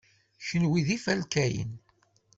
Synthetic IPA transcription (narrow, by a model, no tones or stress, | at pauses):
çənwiðifælkæjə̰n